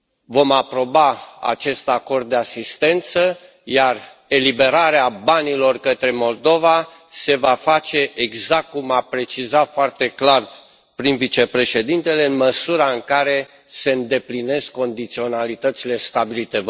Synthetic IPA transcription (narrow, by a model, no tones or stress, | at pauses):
vo̞mapɾo̞baa̰t͡ʃe̞st̪ako̞rd̪̚ːe̞asist̪e̞nt̪sə | jare̞libe̞ɾaɾeabanilo̞rkət̪ɾe̞mo̞ld̪o̞va | se̞vafat͡ʃe̞ʔeɡzak̚t̪̚kumapɾe̞t͡ʃizafoart̪e̞klar | pɾinvit͡ʃe̞pɾe̞ʃe̞d̪int̪e̞le̞ɨnməsuɾaɨŋkaɾe̞ | se̞ɨnd̪e̞pline̞skːo̞nd̪it̪sio̞nalit̪ət̪sile̞st̪abilit̪e̞